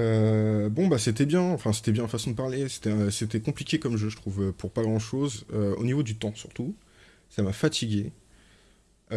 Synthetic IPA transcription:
øbɔ̃baset̪ɛbjɛ̃ɑ̃fɛ̃se̥t̪ɛbjɛ̃fasɔ̃d̪əpaʁlese̥t̪ɛset̪ɛkɔ̃plikʲekɔmʒøʒət̪χuvøpʰuʁpaɡʁɑ̃ʃozøo̰nivod̪yt̪ɑ̃syʁt̪u | samafat̪ʰiɡʲe

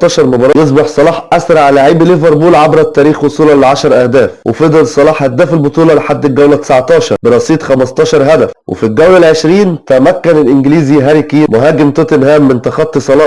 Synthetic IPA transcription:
t̪ːˤɑːʃɑɾˤmobɑːɾˤɑjes̬ˤbɑħsˤɑlɑːħʔæsɾˤɑʕlaʕiːbleveɾˤbuːlʕabɾɑt̪ːæːɾiːxwosˤuːlɑleʕaʃɑɾˤʔæhd̪æːfwʔḛfed̪ˤɑlsˤːɑlɑːħhæd̪ːæːfelbot̪ˤuːlɑleħad̪ːɪlɡæwlæt̪e̥saʕt̪ˤɑːʃɑɾˤbeɾˤɑsˤiːt̪ˤxæmɑst̪ˤɑːʃɑɾˤɦæd̪æfwʔḛfilɡæwlælʕeʃɾiːnt̪æmækːænelʔɪnɡɪliːziɦæɾikimʊɦæːɡɪmt̪ot̪enɦæːmːɪnt̪ɑxɑt̪ˤːisˤɑlɑː

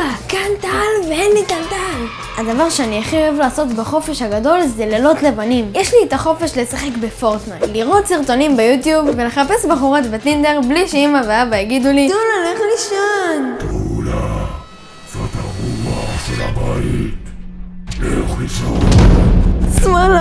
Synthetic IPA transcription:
akant̪aalveenlitalt̪al | ad̪avaʁʃeaniaχijoevlaːso̞t̪baχo̞fe̞ʃhaɡad̪o̞lzelelo̞t̪le̞vanimjeʃlietaχo̞fe̞ʃle̞saχe̞kbe̞fo̞ʁt̪najliʁo̞tsiʁt̪o̞nimbejut̪jubːe̞le̞χape̞sbaχuʁatbet̪inde̞ʁbliʃeimaveabajaɡid̪ulitulaneχliʃantula | zot̪aʁumaʃela̰bajit̪ | lḛuχiʃo | smal

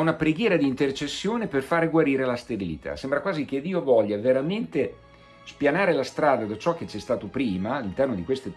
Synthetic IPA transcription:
unapɾeɡjɛːɾad̪iːnt̪ert͡ʃesːjoːneperfaːɾeɡwaɾiːɾelast̪ebilḭt̪ʰa̰sɛmbɾakwaːzik̟ed̪iːovɔʎːaveɾament̪e | spjanaːɾelast̪ɾaːd̪ad̪at͡ʃɔk̟ːet͡ʃɛst̪aːt̪opɾiːmaːlːint̪ɛrnod̪ikwest̪e

